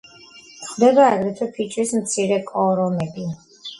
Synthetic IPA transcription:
χd̪ɛbaːɡɾɛt̪ʰɛpʰit͡ʃʰʼɾismt̪sʰiɾɛkʼɔɾɔmɛbi

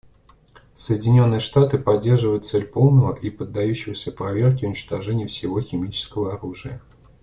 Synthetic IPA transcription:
səjɪdʲɪnʲo̞nːɨjəʂt̪at̪ɨpɐdʲːe̞rʐɨvəjʊt̪t̪sɛlʲpo̞lˠnəvəʔipəd̪ːɐjuɕːɪvəsʲəpɾɐvʲe̞rkʲɪʊnʲɪt͡ɕt̪ɐʐɛnʲɪjəfsʲɪvo̞xʲɪmʲit͡ɕɪ̥skəvəɐɾuʐɨjə

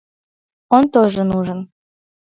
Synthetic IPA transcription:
ont̪oʒə̆nuʒən

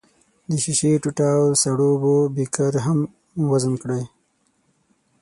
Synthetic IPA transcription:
d̪əʃiʃeʈuʈaːwsaɽobobikaɾɦam | wazənkɽaj

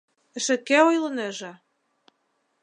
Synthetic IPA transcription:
ɘ̆ʃɘ̆kːæojlˠɤ̆næʒɑ

